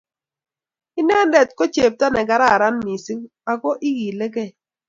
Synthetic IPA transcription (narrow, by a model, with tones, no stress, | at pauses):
ɪ˦nɛ˦ndɛ˨t̚ko˦t͡ʃe˨p̚ta˦nɛ˨ɡa˦ɾa˦˨ɾa˦nmi˨si˦ŋ | a˨kɔ˦ʔi˦ɣi˨le˦kɛ˦˨